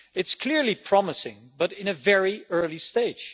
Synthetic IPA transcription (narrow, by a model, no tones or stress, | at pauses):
ɨtskʰl̥ɪɹlipʰɹ̥ɑməsɪ̰̃ŋ | bʌɾɪ̃nɨvɛɹiɜ˞listeɪd̥ʒ̥